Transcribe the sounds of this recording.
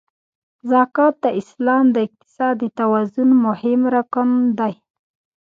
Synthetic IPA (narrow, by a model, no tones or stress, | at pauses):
zɑkɑt̪̚d̪əʔɪslɑmd̪əɪq̚t̪ɪ̥sɑd̪ːət̪awazʊnmʊhɪmɾakənd̪aj